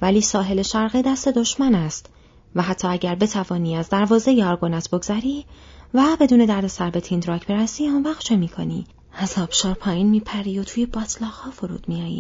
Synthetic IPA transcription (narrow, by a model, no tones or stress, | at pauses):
væliːsɒːɦe̞le̞ʃæɾɣed̪æst̪e̞d̪o̞ʃmænæst̪ | væɦæt̪ʰːɒːæɟæɾbe̞t̪ʰævɒːniːæzd̪æɾvɒːze̞jeɒːɾɡo̞næt̪ʰbo̞ɡz̥æɾiːvæbe̞d̪uːne̞d̪æɾd̪e̞sæɾbe̞t̪ʰind̪ɾɒːcʰbe̞ɾæsiːʊnvæːχt̪t͡ʃʰe̞miːkʰo̞̰nḭː | æzɒːb̥ʃɒːɾpʰɒːjiːnmiːpʰæɾiːo̞t̪ʰuːjebɒːt̪ʰlɒːɣhɒːfoɾṵːd̪̥mijɒːjḭː